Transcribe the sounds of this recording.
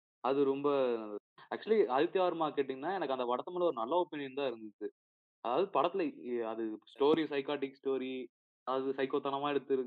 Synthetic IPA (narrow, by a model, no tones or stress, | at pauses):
ɐðɯɾɔmbɐ | æk̚t͡ʃuɐliɐðɪt̪ːɪjaːɾɐmaːkeːʈ̬ːiŋɡnːaːɛnɐkːɐnd̪ɐpɐɽɐt̪ːɐmɐlɐɔɾɯnɐlːaoːpɪnɪjɐnt̪ãːɪɾɯnd̪ɯt͡ʃːɯ | ɐðaːʋɐðɯpɐɽɐt̪ːɪlɐɐðɯsʈoːɾisɐɪkaːʈɪksʈoːɾi | ɐðɯsɐɪkoːt̪ːɐnɐmaːɛɽɯt̪ːɯɾɯ